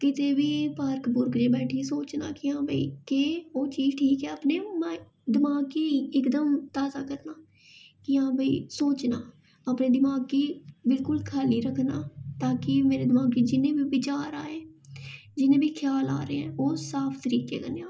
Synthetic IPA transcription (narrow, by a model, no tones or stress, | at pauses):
kɪt̪eːbiːpaɾkbʊɾkd͡ʒẽːbɛːʈʰiːsoːt͡ʃna̰ːkɪãːbəḭːkɪoːt͡ʃiːzʈʰiːkɛːaːpneːmɛ | d̪ɪmaːɡiːɪkd̪əmt̪aːzaːkəɾnaː | kɪãːbʱəḭːsoːt͡ʃnaː | aːpneːd̪ɪmaːɡiːbɪlkʊlkʰaːliːɾəkʰnaːt̪aːkɪmeːɾeːd̪ɪmaːɡiːd͡ʒɪnẽːbiːbɪt͡ʃaːɾaːeː | d͡ʒɪnẽːbiːkʰjaːla̰ːɾeːɛ̃ːoːsaːpʰt̪əɾiːkḛːɡəneaː